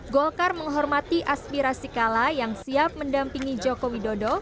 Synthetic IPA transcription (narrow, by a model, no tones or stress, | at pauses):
ɡɔlkarməŋɦɔrmat̪iʔaspiɾasikalajaŋsiap̚məndampiŋid͡ʒɔkowidodɔ